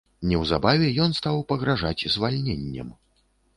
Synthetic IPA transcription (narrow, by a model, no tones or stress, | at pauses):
nʲɛwza̰bavʲɛjɔnst̪awpɐɣɾaʐat͡sʲzvalʲnʲenʲːɐ̰m